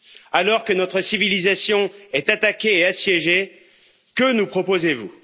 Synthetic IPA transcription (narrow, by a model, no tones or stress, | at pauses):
alɔʁkənɔt̪χəsivilizasjɔ̃ɛt̪at̪akʲeːasjɛʒe | kənupχɔpozevṵ